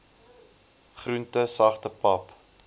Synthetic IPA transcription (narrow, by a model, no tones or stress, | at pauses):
χruntəsɐχtəpɐp